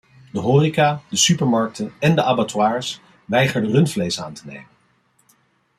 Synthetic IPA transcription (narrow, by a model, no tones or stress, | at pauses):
dəɦʊːrikaːdəsypəɹmɑɹk̚tʰənɛndəʔabatwaːɹs | ʋɛjχəɹdərɵntflejsa̰ːntənḛjmən